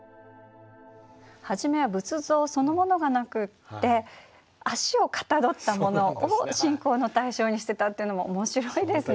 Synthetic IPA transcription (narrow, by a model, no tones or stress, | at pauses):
haʑime̞βabɯ̟t͡sɨzo̞ːso̞no̞mo̞no̞ɡanakɯ̟t̪ːe̞ | aɕio̞kḁt̪ad̪o̞t̪ːamo̞no̞ʔːɕĩŋko̞ːno̞t̪aiɕo̞ːɲ̟iɕi̥t̪e̞t̪at̪ːe̞iɯ̟no̞moomo̞ɕiɾoid̪e̞sɨ